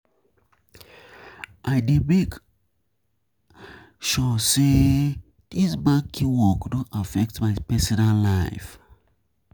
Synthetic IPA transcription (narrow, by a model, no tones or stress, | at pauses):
ʔajdemek | ʃɔse | d̥isbakʰːiwɔkdõʔafɛk̚tmajpɛsinãnlaɪf